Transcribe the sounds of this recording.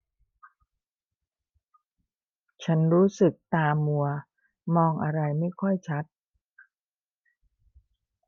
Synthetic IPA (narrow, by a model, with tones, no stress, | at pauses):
t͡ɕʰa˦˥nɾuː˦˥sɯ˨˩k̚t̪aː˧mːu˧ɐ | mɔː˧ŋʔa˧ɾa˧jma˥˩jkʰɔ˥˩jt͡ɕʰa˦˥t̪̚